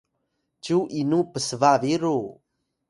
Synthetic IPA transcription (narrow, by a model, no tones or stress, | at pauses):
t͡ʃuʔinupəsəvaviɾu